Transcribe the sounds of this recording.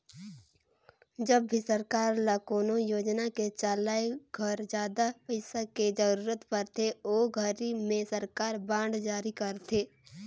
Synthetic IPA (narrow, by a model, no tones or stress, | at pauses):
d͡ʒəbːʱisəɾkaːɾlakoːnojoːd͡ʒnaket͡ʃaːlaːeɡʱəɾd͡ʒjaːd̪apəɪsaked͡ʒəɾuːɾət̪pəɾt̪ʰeoːɡʱəɾimẽsəɾkaːɾbãːɳɖd͡ʒaːɾikəɾt̪ʰeː